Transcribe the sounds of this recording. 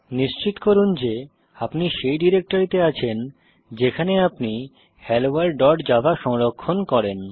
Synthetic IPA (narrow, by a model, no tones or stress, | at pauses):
niʃt͡ɕit̪koɾund͡ʑe | apniʃejɖiɾek̚ʈoɾit̪eat͡ɕʰen | d͡ʑekʰaneapni | hɛlowaɾɖɔɾɖd͡ʑabaʃɔŋɾokʰːonkɔɾen